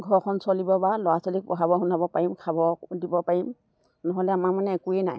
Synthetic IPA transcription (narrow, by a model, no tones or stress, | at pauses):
ɡʱɔɹkʰɔnsɔlibɔbalɔwasɔlik̚pɔɦabɔɦunabɔpaɹimkʰabɔdibɔpaɹim | nɔɦɔlɛamaɹmanɛːkuɛnaj